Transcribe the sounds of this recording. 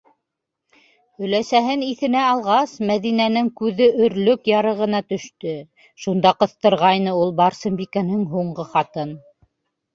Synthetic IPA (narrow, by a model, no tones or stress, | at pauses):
ɵ̆læsæɦɘniθɘ̆næɑlˠʁɑsmæðinænɘŋkʉðɘɵ̆ɾlɵkjɑɾɤ̆ʁɤ̆nɑt̪ɵ̆ʃt̪ɵ | ʃund̪ɑqɤ̆θt̪ɤ̆ɾʁɑjnɤulˠbɑɾsɤ̆mbikænɘŋɦuɴɢɤχɑt̪ɤn